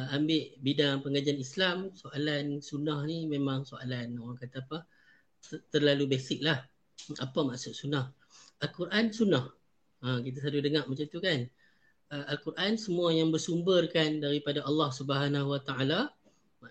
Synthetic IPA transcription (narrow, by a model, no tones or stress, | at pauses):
ambɪʔbidaŋpəŋad͡ʒaanislamsoʔalansunahnimẽmãŋsoalanowaŋkat̪apa | t̪ərlalubɛsɪk̚lah | apamaʔsʊʔ̪̚sunah | ʔalkuɾʔansunah | əkit̪̬as̬adʊhdəŋaʔmat͡ʃamt̪ukan | əʔalkurʔansəmũajaŋbərsumbərkandaɾipadaʔɑlːɑhsubəɦanaɦwat̪aʔala | ma